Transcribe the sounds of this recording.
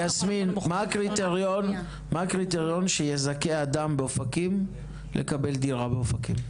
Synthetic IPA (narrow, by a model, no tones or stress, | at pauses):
asminmakʁit̪eʁjon | maːkʁit̪eʁjo̞nʃejezake̞ad̪ambeofakim | lʔḛkabe̞ld̪iʁabeofakim